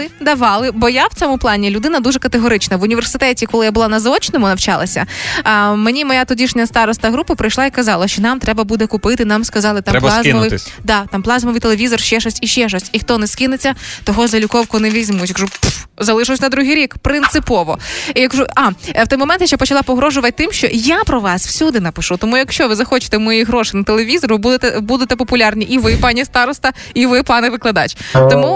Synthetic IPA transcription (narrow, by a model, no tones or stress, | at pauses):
ɪd̪ɐʋɑlˠɪbɔjawt͡sʲɔmʊplˠɑnʲilʲʊd̪ɪnɐd̪uʒɛkɐt̪eɦɔɾɪt͡ʃnɐʋʊnʲiʋe̞rsɪt̪ɛtʲikɔlˠɪjabʊlˠɑnɐzɔt͡ʃnɔmʊnɐwt͡ʃɑlˠɐ̰sʲɐ̰ | menʲimɔjat̪ɔdʲiʃnʲɐst̪ɑɾɔst̪ɐɦɾupɐpɾɪjʃlˠɑikɐzɑlˠɐʃt͡ʃɔnɑmt̪ɾɛbɐbud̪ɛkʊpɪt̪ɪnamskɐzɑlˠɪt̪amɾɛp̪ˠzmɔʋɪjd̪ɑt̪ɑmplˠɑzmɔʋɨjt̪elˠeʋʲizɔrʃt͡ʃɛʃɔsʲiʃt͡ʃɛʃɔsʲtʲixt̪ɔnɛskʲinɪt͡sʲːɐt̪ɔɦɔzɐlʲʊkɔwkʊnɛʋʲizʲmujɐkʒupzɐlˠɪʃɐwsʲnɐd̪ɾuɦɪjɾʲikpɾɪnt̪sɪpɔʋɔjɐkʒuɑwt̪ɔjmɔmɛ̃nt̪jaʃt͡ʃapɔt͡ʃɐlˠɑpɔɦɾɔʒʊʋɐt̪̚ʲt̪ɪmʃt͡ʃɔ̰japɾɔʋɑsw̥sʲud̪ɪnɐpɪʃut̪ɔmujɐkʃt͡ʃɔʋɪzɐxɔt͡ʃɪ̥t̪ɛmɔjiɦɾɔʃɪjnɐt̪elˠeʋʲizɔɾʊbud̪et̪ɛbud̪et̪ɛpɔpʊlʲɑrnʲiʔiʋɪpɑnʲist̪ɑɾɔst̪ɐiʋɪpɑnɛʋɪklˠɐd̪ɑ̰t͡ʃt̪ɔmu